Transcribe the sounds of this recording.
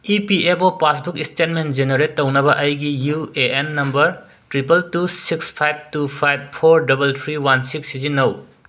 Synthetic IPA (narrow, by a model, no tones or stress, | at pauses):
ipiepopasbukistet̚mend͡ʒeneɾetːɐwnɐbɐʔɐjɡijueʔenːɐmbɐɾ | tɾipɐltusikspʰajb̚tupʰajb̚pʰoɾdɐbɐltʰɾiwansiksizinːɐw